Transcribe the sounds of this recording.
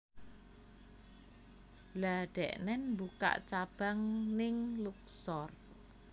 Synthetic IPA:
laɖ̥ɛʔnɛnmbuka̰ʔt͡ʃab̥a̤ŋnɪŋluk̚sɔr

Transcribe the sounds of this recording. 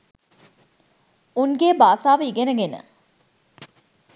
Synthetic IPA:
uŋɡeːbaːsaːʋəiɡenəɡenə̰

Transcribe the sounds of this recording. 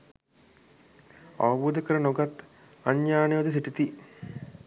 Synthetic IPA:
a̰ʋɐbuːd̪əkəɾənoɡat̪ | aɲjaːneʋɐd̪əs̬iʈit̪i

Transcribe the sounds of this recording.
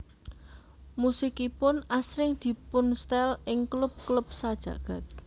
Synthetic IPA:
musikipʊnasɾɪŋd̪̥i̤pʊnst̪ɛlʔɪŋklʊp̚klup̚sad̥ʒ̥ä̤̰ɡ̥ä̤t̪̚

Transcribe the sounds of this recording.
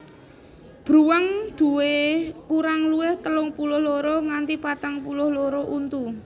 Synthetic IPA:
b̥ɾuwaŋd̪̥ṳwekuɾaŋluɪht̪əlʊŋpulʊhloɾɔŋant̪ipat̪aŋpulʊhloɾɔʔunt̪u

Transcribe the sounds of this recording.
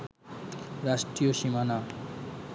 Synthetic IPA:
ɾaʃʈɾioʃimana

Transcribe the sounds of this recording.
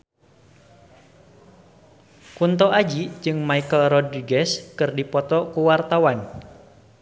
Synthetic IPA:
kunt̪ɔʔad͡ʒid͡ʒɨŋmaikəlɾɔd̪ɾiɡɛskɨrdipɔt̪ɔkuwart̪awan

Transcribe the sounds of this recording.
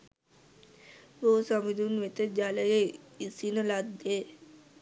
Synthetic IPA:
boːsamid̪unʋet̪əd͡ʒaləje | isinəlad̪e

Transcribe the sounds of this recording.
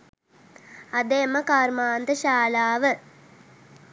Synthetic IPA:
ad̪eːməkaːrmaːnd̪əʃaːlaːʋə

